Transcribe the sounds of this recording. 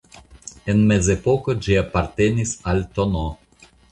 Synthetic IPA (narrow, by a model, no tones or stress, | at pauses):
e̞nme̞ze̞po̞kod͡ʒiapaɾte̞nisalt̪ono